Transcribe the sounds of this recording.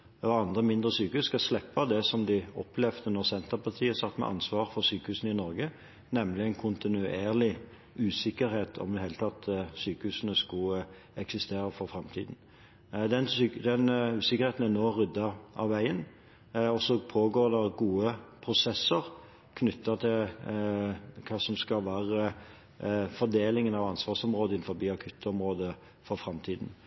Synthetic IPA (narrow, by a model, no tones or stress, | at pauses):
ɔɑnd̪ʁəmɪnd̪ʁəsyːkəhʉsːkɑslɛpːɑd̪ɛsɔmd̪ɪɔ̰pʰlɛʋd̪ənɔʁsɛnt̪əʁpɑt̪ʰiːəsɑt̪ːmɛ̰ʔɑ̰nsʋɑːʁfɔʁsyːkəhʉːsnəɪnɔɾɡə | nɛmlɪæɪnkʰʊnt̪ɪnʉeːʁlɪ | ʔʉːsɪkːəɾheːt̪ʰɔ̰md̪ɛheːlət̪ʰɑt̪syːkəhʉːsn̩əskʊ | ɛksɪst̪eːʁəfɔɾfɾɛmt̪ʰḭːd̪n̩ | d̪ɛnːd̪ɛnʉːsɪkəɾheːt̪n̩ænoːʁʏd̪ːɑʔɑ̰ʋʋæɪən | ɔsɔpʰoːɡoːd̪ɛɾɡuːəpʰɾʊsɛsːəʁ | kʰnʏt̪ːɑt̪ʰɪl | kʰɑːsɔmskɑlʋæːʁə | fɔd̪eːlɪŋənɑʋɑnsʋɑːsɔmʁoːd̪əɪnfɔɾbiːɑkʰʉt̪ʰːɔmɾoːd̪ə | fɔɾfɾɑmt̪ʰiːd̪n̩